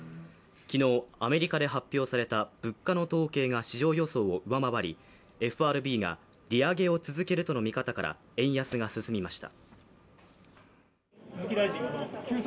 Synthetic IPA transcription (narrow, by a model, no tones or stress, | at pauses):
kʲino̞ːame̞ɾʲikad̪e̞ɦapʲːjo̞ːsaɾe̞t̪ab̥ɯ̟kːano̞t̪o̞ːke̞ːŋaɕiʑo̞ːjo̞so̞ːoɯ̟βamaβaɾʲi | e̞ɸɯ̟aɾɯ̟bʲiːɡa̰ | ɾʲiaɡe̞o̞t͡sɨzɨke̞ɾɯ̟t̪o̞no̞mʲikat̪akaɾʔa̰ | ẽ̞ɰ̃jasɨɡasɨsɨmʲimaɕi̥t̪a̰